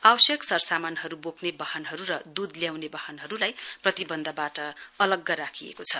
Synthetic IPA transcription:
awʌsjʌksʌrsamanɦʌɾuboknebʌɦʌnɦʌɾuɾʌd̪ud̪ljawnebʌhʌnɦʌɾulajprʌt̪ibʌnd̪ʱʌbaʈʌʌlʌɡːʌɾakʰiḛkot͡sʰʌ

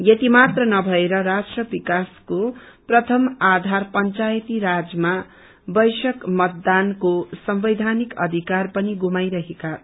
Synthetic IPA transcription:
jet̪imat̪rʌnʌbʱʌeɾʌɾasʈrʌbikasko | prʌt̪ʰʌmad̪ʱarpʌnt͡sajt̪iɾad͡zma | bʌjsʌkmʌt̪̚d̪ankosʌmbʌjd̪ʱanikʌ̰d̪ʱikarpʌniɡumajɾʌɦeka

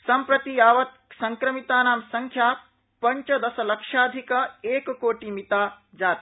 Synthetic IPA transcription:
sɐmpɾɐt̪ijaːʋɐt̪sɐŋkɾɐmit̪aːnaːmsɐŋkʰjaː | pɐɲt͡ʃɐd̪ɐsɐlɐkʂaːd̪ʱikɐeːkkoːʈimit̪aː | d͡ʒaːt̪i̥

